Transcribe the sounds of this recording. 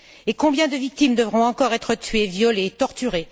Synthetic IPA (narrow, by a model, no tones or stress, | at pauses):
ekɔ̃bjɛ̃d̪əvik̚t̪imd̪əvʁɔ̃ɑ̃kɔʁɛt̪χət̪ɥevjɔleːt̪ɔʁt̪yʁe